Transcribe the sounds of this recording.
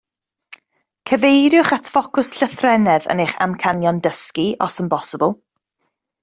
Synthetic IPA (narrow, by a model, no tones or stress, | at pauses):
kʰəvejɾjʊχatʰfɔkʊsɬəθrɛnɛðə̰neχa̰mkʰanjɔndəskiɔ̰sənbɔsəbəlˠ